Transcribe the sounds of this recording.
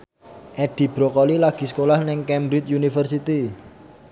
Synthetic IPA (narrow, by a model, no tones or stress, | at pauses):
ʔɛɖ̪̥i̤b̥ɾɔkɔlilaɡ̥i̤sə̥kolahnɪŋkɛmbɾit͡ʃ̪junifərsit̪i